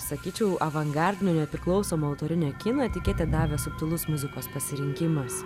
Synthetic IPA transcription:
sɐkʲiːt͡ʃʲɛʊʔɐʋɐŋɡɐɾʲd̪ʲɪnʲoːnʲɛpʲɾʲɪklˠɒʊsoːmɐɐʊt̪oːɾʲɪnʲɛːkʲɪnoːt̪ʲɪkʲeːt̪ʲɪd̪ɑːʋʲeːsʊpt̪ʊlˠʊsmʲʊzʲɪkoːspɐsʲɪɾʲɪŋʲkʲɪmɐs

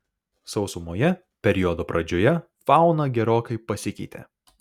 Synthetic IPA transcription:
sɒʊsʊmoːjɛ | pʲɛɾʲiɔd̪oːpɾɐd͡ʒʲoːjɛ | fɑˑʊnɐɡʲɛɾoːkɐɪpɐsʲɪkʲɛ̰ɪt̪ʲḛː

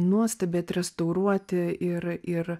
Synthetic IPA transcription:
nuɔsʲt̪ɐbʲeːt̪ʲɾʲɛst̪ɐʊɾuɔt̪ʲɪɪɾɪɾ

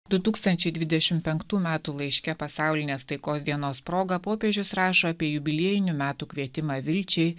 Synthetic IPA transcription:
d̪ʊt̪uːkst̪ɐnʲt͡ʃʲɛɪd̪ʲʋʲɪd̪ʲɛʃʲɪmpʲɛŋkt̪uːmʲæːt̪uːlˠɐɪʃʲkʲɛpɐsɑˑʊlʲɪnʲeːst̪ɐɪkoːsd̪ʲiɛnoːspɾoːɡɐpoːpʲiɛʒʲʊsɾɑːʃoːɐpʲiɛjʊbʲɪlʲiɛjɪnʲʊmʲæːt̪uːkʲʋʲiɛt̪ʲɪmɑːʋʲɪlʲt͡ʃʲɛɪ

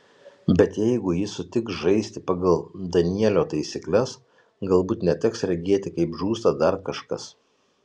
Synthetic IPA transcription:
bʲɛt̪jɛɪɡʊjɪsʊt̪ʲɪksʒɐɪsʲt̪ʲɪpɐɡɐlˠd̪ɐnʲiɛlʲoːt̪ɐɪsʲiklʲɛs | ɡɐlˠbuːt̪nʲɛt̪ʲɛksɾʲɛɡʲiɛt̪ʲɪkɐɪpʒuːst̪ɐd̪ɐɾkɐʃkɐ̰s

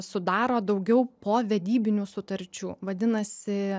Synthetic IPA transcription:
sʊd̪ɑːɾoːd̪ɐʊɡʲɛʊpoːʋʲɛd̪ʲiːbʲɪnʲuːsʊt̪ɐɾʲt͡ʃʲṵːʋɐd̪ʲɪnɐsʲɪ

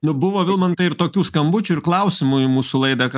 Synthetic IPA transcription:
nʊbʊʋoːʋʲɪlˠmɐnt̪ɐɪɪɾt̪oːkʲuːskɐmbʊt͡ʃʲʊɪrklˠɐʊsʲɪmumuːsʊlˠɐɪd̪ɐk

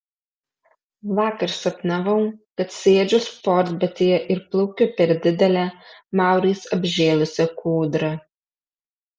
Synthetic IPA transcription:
ʋɑːkɐɾsɐp̪nɐʋɐʊkɐt̪sʲeːd͡ʒʲʊspɔɾd̪ʲbʲɛt̪ʲejɛʔɪɾplˠɐʊkʲʊpʲɛɾd̪ʲɪd̪ʲɛlʲæmɑˑʊɾʲɛɪsɐbʲʒʲeːlˠʊsʲɛkʰuːd̪ɾɐ

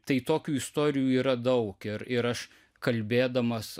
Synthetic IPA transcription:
t̪ɐɪt̪oːkʲuːɪst̪oːɾʲɪjuːiːɾɐd̪ɐʊkɪɾɪɾɐʃ | kɐlʲbʲeːd̪ɐmɐs

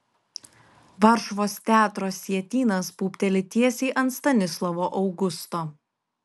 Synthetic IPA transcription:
ʋɐɾʃʋoːst̪ʲæːt̪ɾoːsʲiɛt̪ʲiːnɐspuːpʲt̪ʲɛlʲɪt̪ʲiɛsʲiːʔɐnt̪st̪ɐnʲɪslˠɐʋoːʔɒʊɡʊst̪oː

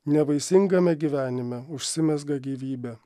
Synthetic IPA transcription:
nʲɛbɐɪsʲɪŋɡɐmʲɛɡʲiːʋʲæːnʲɪmʲɛʊʃʲsʲɪmʲɛzɡɐɡʲiːʋʲiːbʲɛ

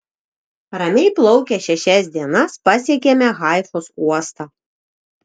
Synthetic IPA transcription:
ɾɐmʲɛɪplˠɒʊkʲɛʃʲɛʃʲɛsʲd̪ʲiɛnɐspɐsʲiɛkʲɛmʲɛɣɑˑɪfosuɔst̪ɑ

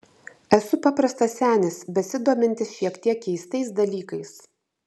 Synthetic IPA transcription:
ɛsʊpɐpɾɐst̪ɐsʲæːnʲɪsbʲɛsʲɪd̪uːmʲɪnʲt̪ʲɪsʃʲiɛkt̪ʲiɛkʲkʲɛɪst̪ɐɪsd̪ɐlʲiːkɐɪs

